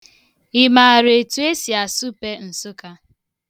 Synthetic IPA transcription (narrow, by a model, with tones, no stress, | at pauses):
ɪ˨ma˨ɾe˨tu˨e˦si˨a˨su˦pe˦n̩˨sʊ˦ka˦